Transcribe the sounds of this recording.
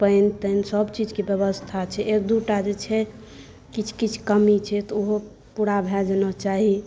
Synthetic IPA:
pənt̪ənsəbt͡ʃid͡ʒkebjəβəst̪ʰat͡ʃʰɛʔekd̪uʈad͡ʒet͡ʃʰɛ | kit͡ʃʰkit͡ʃʰkəmit͡ʃʰɛt̪ɔoɦo | puɽabʱɛd͡ʒenɔt͡ʃaɦi

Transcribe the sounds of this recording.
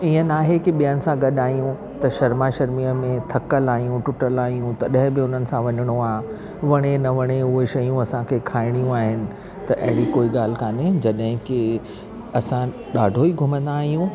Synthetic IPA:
iːə̃naːɦekɪɓijənɪ̆sãɡɐɗaːijũ | t̪ɐʃɐɾmaʃɐɾmiəmẽt̪ʰɐkəlaːɦijũʈʊʈəlaːijũt̪ɐɗɦɪ̃bɪʊn̤ənɪ̆sãʋɐɲəɽ̃oaː | ʋɐɽ̃enɐʋɐɽ̃eʊɦeʃɐjũɐsãkʰeːkʰaːɪɽ̃ijũaːɦɪnɪ̆ | t̪ɐʔɐ̰ɦɪɽikoːiɠaːl̤ɪ̆kʰaːnɪd͡ʑɐɗɦɪ̃kɪ | ɐsã | ɗaːɖʱoiɡʱʊmə̃nd̪aːɦijũ

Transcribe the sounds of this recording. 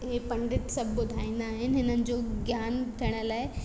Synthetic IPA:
ɦepɐ̃ɳɖɪʈsɐbʱːʊd̪ʱaːĩːnd̪aːɦɪnɪ̆ɦɪnənɪ̆d͡ʑoːɡʱjaːnt̪ʰiːɽ̃ə̆laːe

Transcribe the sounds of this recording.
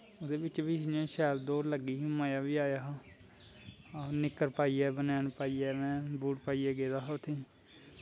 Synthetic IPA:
od̪eːbɪt͡ʃʋiːd͡ʒãːʃɛːld̪oːɾləɡiːmaːjaːʋiːaːjaːɦaː | nɪkːəɾpaːiːɛːbənaːnpaːiːɛːmɛ̃ːbuːʈpaːiːɛːɡeːd̪aːɦʊt̪ʰːeː

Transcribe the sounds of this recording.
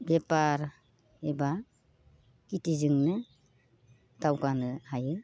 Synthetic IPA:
bepaɾ | eba | kitizɯŋnɯ | dawɡanɯhajɯ

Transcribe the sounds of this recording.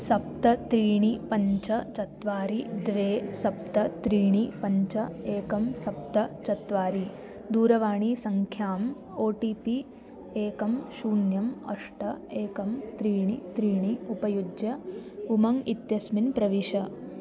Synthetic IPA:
sɐp̚t̪ɐt̪ɾiːɳipɐɲt͡ʃɐt͡ʃɐt̪ʋaːɾid̪ʋeːsɐp̚t̪ɐt̪ɾiːɳipɐɲt͡ʃɐeːkɐmsɐp̚t̪ɐt͡ʃɐt̪ʋaːɾi | d̪uːɾɐʋaːɳisɐŋkʰjaːm | oːʈiːpi | eːkɐmʃuːnjɐmɐ̰ʂʈɐeːkɐmt̪ɾiːɳit̪ɾiːɳiupɐjud͡ʒjɐumɐŋit̪jɐsminpɾɐʋiʃɐ

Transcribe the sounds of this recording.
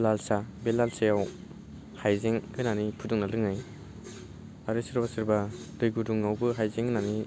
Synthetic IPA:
lalsabelalsajaw | hajzeŋɯnanipʰuduŋnalɯŋaj | aɾɯsɯɾbasɯɾbadojɡuduŋawbɯɦajzeŋɯnani

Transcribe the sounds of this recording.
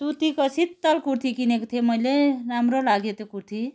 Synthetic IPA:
t̪ut̪ikəsit̪t̪ːəlkuɾt̪ʰikinekt̪ʰeməjlenamɾolaɡet̪ekuɾt̪ʰi

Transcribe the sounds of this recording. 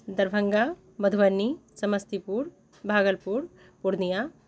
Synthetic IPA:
d̪ɐɾbʱɐŋɡa | bɐd̪ʱʋɐnːisɐmɐst̪ipuːɾ | bʱaːɡəlpuːɾ | puɽnija

